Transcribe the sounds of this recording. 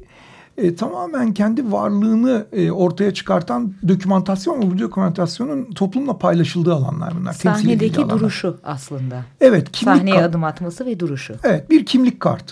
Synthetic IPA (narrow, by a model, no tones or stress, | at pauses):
ɛːt̪ʰamaːmæncʰɛnd̪ivaɾlˠɯːnɯo̞ɾt̪ʰajat͡ʃʰɯ̥kʰaɾt̪ʰand̪o̞cʰymant̪ʰasjo̞nvɛvud̪dokʰymant̪ʰasjo̞nunt̪ʰo̞plˠumlˠapʰajlˠaʃɯlˠd̪ɯːalˠa̰nlˠa̰ɾbunːˠa̰ɾt̪ʰɛah̪ied̪eid̪uɾuʃuaslˠɯnd̪aevɛt̪cʰimaihnejad̪ɯmat̪masɯvɛd̪uɾuʃʊevɛt̪̚biɾcʰimlʲicʲkʰa̰ɾt̪